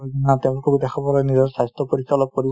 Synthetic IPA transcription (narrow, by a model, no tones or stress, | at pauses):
ɡinatɛ̃ʊ̃lukɔkdɛxʰɔbɔlɔjnizɔɹsajstɔpoɹikʰːalɔp̚koɹib